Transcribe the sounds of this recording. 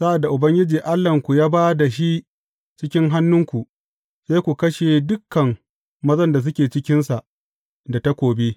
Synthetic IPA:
sa˦ʔa˨dːa˨ʔʊ˨bɐ˦ŋɡʲɪ˦d͡ʒiː˨ʔa˦lːɐ˨ŋkʷu˨jaː˦baː˦da˨ʃi˦ | t͡ʃɪ˦kʲɪ˦ŋɦa˦nːʊ˦ŋkʷu˨ʔ | seː˦kʷu˨kɐ˦ʃe˨dʊ˦kːɐ˨ŋ | mɐ˦zɐ˦nda˨s̬ʊ˦kʲeː˨t͡ʃɪ˦kʲɪ˦nsa˨ʔ | da˨ta˦kʷoː˨beː˦

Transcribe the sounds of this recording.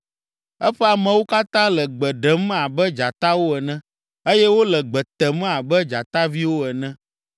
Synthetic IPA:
ɛ˦ɸɛ˦a˨mɛ̃˨wo˦ka˦t̪ã˦lɛ˨ɡ͡bɛ˨ɖɛ˨m˦a˨bɛ˦d͡ʒa˨t̪a˦wo˦ɛ˨nɛ̃˦ | e˦jɛ˦wo˦lɛ˨ɡ͡bɛ˨t̪ɛ˨m˦a˨bɛ˦d͡ʒa˨t̪a˦vi˦wo˦ɛ˨nɛ̃˦

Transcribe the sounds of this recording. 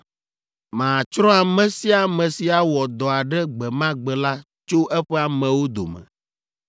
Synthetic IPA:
mã˨t͡ʃɾɔ̃˦a˨mɛ̃˦si˦a˨mɛ̃˨si˨a˨wɔ˨d̪ɔ˨a˨ɖɛ˦ɡ͡bɛ˨mã˦ɡ͡bɛ˨la˦ | t͡ʃo˦ʔɛ˦ɸɛ˦a˨mɛ̃˨wo˦d̪o̰˨mɛ̰̃˨

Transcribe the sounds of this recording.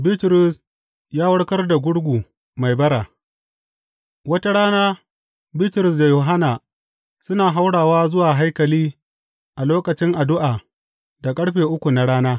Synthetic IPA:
bɪ˦tɾʊ˨s | jaː˦wɐ˦ɽkɐ˦rda˨ɡʷʊ˦ɽɡʷuː˨ | ma˨jbɐ˦ɽa˨ | wɐ˦ta˦ɽaː˦naː˦ | bɪ˦tɾʊ˨s̬da˨joː˨ɦa˦naː˨ | sʊ˦naː˨ɦa˦wɽaː˨waː˦zʊ˦waː˨ɦa˦jkɐ˨liː˦ | ʔa˨loː˦kɐ˨t͡ʃɪ˦ŋʔa˨dʊ˦ʔaː˨ | da˨kʼɐ˦ɽɸeː˨ʔʊ˦kʷu˨na˨ɽaː˦naː˦

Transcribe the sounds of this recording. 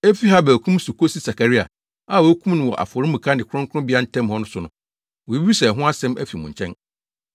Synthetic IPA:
e˦fi˦ɦa˦bɛ˨kʰũ˦m˦su˨kʰo˦si˦sa˨kʰa˨ɾi˦a̰˨ | a˦˨wɔ˨æ˦kʰũ˦m˦nʊ̃˨wɔ̰˨ʔa̰˨fɔ˨ɾĩ˦mũ˨kʰa˦nɪ̃˨kʰʊ˦ʊ̃˦ŋkʰʊ˦ʊ̃˦bɪ˦a˦n̩˦tʰɛ̃˦mhɔ˦nʊ̃˦sʊ˨nʊ̃˦ | wɔ˨˦i˦i˦sɛ˨ɦʊ̃˦a˦sɛ̃˦mæ̰˦fi˨mʊ̃˨ɲ̩˨t͡ɕʰɛ̰̃˦n

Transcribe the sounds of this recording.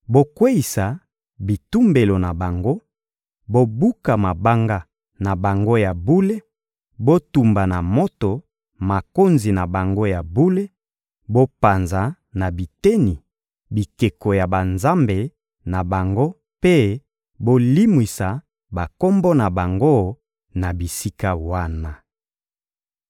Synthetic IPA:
bo˦kwe˦i˨sa˨ | bi˨tu˦mbe˨lo˨na˨ba˨ŋɡo˦ | bo˦bu˦ka˨ma˨ba˦ŋɡa˦ | na˨ba˨ŋɡo˦ja˨bu˦le˦ | bo˦tu˨mba˨na˨mo˦to˨ | ma˨ko˦nzi˨na˨ba˨ŋɡo˦ja˨bu˦le˦ | bo˦pa˨nza˨ | na˨bi˨te˦ni˨ | bi˨ke˨ko˨ja˨ba˨nza˦mbe˨ | na˨ba˨ŋɡo˦ | pe˦ | bo˦li˦mwi˨sa˨ | ba˨ko˦mbo˦na˨ba˨ŋɡo˦ | na˨bi˨si˦ka˦wa˦na˨

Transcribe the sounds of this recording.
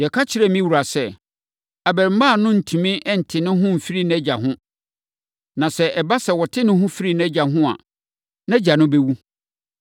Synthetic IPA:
jɛ˨kʰa˦t͡ɕʰɪ˨ɾɛ˦˨mĩ˦wu˨ɾa˨sɛ˦ | a˨bɛ˨ɾm̩˦ma˦˨nʊ̃˦n̩˨tʰĩ˨mɪ̃˦ʔɛ˦˨n̩˨tʰɪ˨nɪ̃˦ɦʊ̃˦m̩˨fi˦ɾi˦ñ˦ɛ˦d͡ʑa˨ɦʊ̃˦ | nã˨sɛ˦ʔɛ˨ba˦sɛ˨wɔ˨tʰɪ˦nɪ̃˦ɦʊ̃˦fi˦ɾi˦˨ñ˦ɛ˦d͡ʑa˨ɦʊ̃˦a̰˨ | nã˦d͡ʑa˨nʊ̃˦bɛ˦wu˦

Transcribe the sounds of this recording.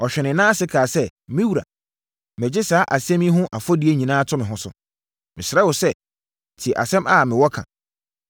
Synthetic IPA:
ɔ˨ɕᶣɛ˨nɪ̃˨˦nã˦sɪ˦kʰaː˨sɛ˦˨mɪ̃˦wu˨ɾa̰˨ | mɪ̃˨d͡ʑɪ˦saː˦ʔa˨sɛ̃˦mĩ˦ɦʊ̃˦ʔa˨fɔ˦di˨˦e˦ɲĩ˨nãː˦tʰʊ̃˦mɪ̃˨ɦʊ̃˦sʊ̰˨ | mɪ̃˨sɪ˨ɾɛ˦wʊ˨sɛ˦˨ | tʰi˨ʔa̰˨sɛ̃˦ma˨mɪ̃˨wɔ˦kʰã̰˨

